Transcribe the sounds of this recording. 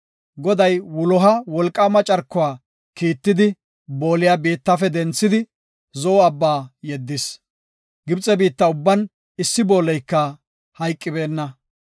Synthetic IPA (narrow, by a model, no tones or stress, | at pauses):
ɡɔd̪ɐjwʊlɔɦɐwɔlkʼːɐmɐt͡ʃʼɐɾkːʊwaː | kiːt̪ːɪd̪ɪ | bo̞ːlɪjabiːt̪ːɐfɛd̪ɛnt͡sːɪd̪ɪ | zɔːɐbːaːjɛd̪ːɪs | ɡɪbt͡sʼɛbiːt̪ːɐʊbːɐn | ɪsːɪbo̞ːlɛjkːɐ | hɐjkʼːɪbe̞ːnːɐ